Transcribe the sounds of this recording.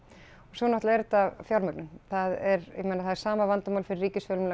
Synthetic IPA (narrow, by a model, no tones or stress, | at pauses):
ɔsɔnɔt̪laɛɾt̪avfjawɾmœknʏnθaðɛɾ̰mɛnaθaðɛɾ̥saːmavant̪ʏmawlfɪɾɪrːiːcɪsfœːlmn